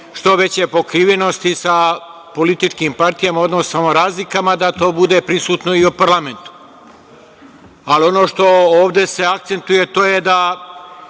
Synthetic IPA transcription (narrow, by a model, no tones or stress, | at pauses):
ʃt̪o̞ʋe̞t͡ɕepo̞kɾiʋeno̞st̪isa | po̞lit̪it͡ʃkiːmpaɾt̪ijamao̞d̪nossamoɾaːzlikamad̪at̪o̞ːbud̪e̞pɾisuːt̪no̞iupaɾlame̞nt̪u̥ | alio̞no̞ːʃt̪o̞oːʋd̪e̞se̞ak̚t̪se̞nt̪uje̞t̪o̞ːje̞d̪a